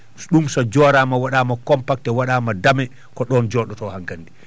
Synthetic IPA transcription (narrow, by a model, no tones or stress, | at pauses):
ɗumsɔd͡ʒɔːɾamawaɗaːmakɔmpak̚tɛwaɗaːmadamɛ | kɔɗɔnd͡ʒɔːɗɔtɔhaŋɡandi